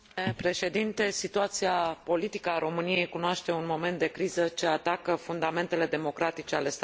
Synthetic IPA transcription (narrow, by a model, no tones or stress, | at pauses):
epɾe̞ʃe̞d̪int̪e̞sit̪uat̪siapo̞lit̪ikəːɾo̞mɨnije̞jkunoaʃt̪e̞unmo̞ment̪̚d̪e̞kɾizət͡ʃe̞at̪akəfund̪ame̞nt̪e̞le̞d̪e̞mo̞kɾat̪it͡ʃe̞ale̞st̪